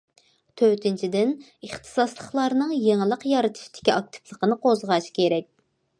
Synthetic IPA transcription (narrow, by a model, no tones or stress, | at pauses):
t̪ʰøt̪ʰɪnt͡ʃʰid̪ɪn | əχt̪ʰɨ̥sɑslˠəχlˠɑɾnɨŋjeŋɨlˠəqjɑɾɨt̪ʰɨ̥ʃt̪ʰɪ̥kʲiʔɑk̚t̪ʰɨ̥plˠəqʰənɨqozʁɑʃkʲʰeɾɛkʲ